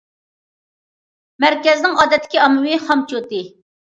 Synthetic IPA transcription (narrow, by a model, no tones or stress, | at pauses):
mæɾkʲɛznɪŋɑːd̪ɛt̪ːɪ̥kʲiɑmɨwɨχɑmt͡ʃot̪ɨ